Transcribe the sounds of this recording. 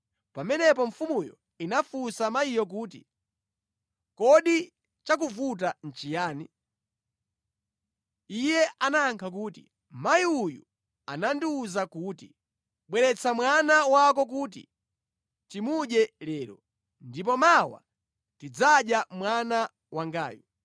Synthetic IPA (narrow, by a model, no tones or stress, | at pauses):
pamɛnɛp̬ɔɱfumujɔ̰ | inafusamajijɔk̬uːtḭ | kɔɗi | t͡ʃak̬uvut̬an̩t͡ʃijaːni | ijɛʔanaːŋkʰakuːtḭ | majiujṵ | a̰nandiuzakuːti | ɓwɛɾɛt͡sʰamwanawakɔk̬uːt̬ḭ | timuɗɛlɛːɾɔ̰ | ndip̬ɔmawa̰ | tid͡zaɗjamwana | waŋɡa̰ːju